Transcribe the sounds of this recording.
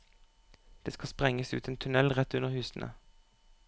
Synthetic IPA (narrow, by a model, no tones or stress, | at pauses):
d̪̥eːskɑspʁɛŋəsʉ̰ːt̪ənt̪ʰʉnɛlʁɛt̪ʉnəʁhʉːsn̩ʔə̰